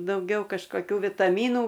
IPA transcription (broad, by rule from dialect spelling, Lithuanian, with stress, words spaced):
dɐʊˈɡʲɛʊ kɐʃkoːˈkʲuː ʋʲɪtɐˈmʲiːnuː